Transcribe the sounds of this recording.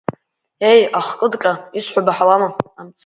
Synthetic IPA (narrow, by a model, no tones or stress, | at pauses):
e̞jaχkʼɨdkʼaisħʷᶣabaħawamaamt͡sʰ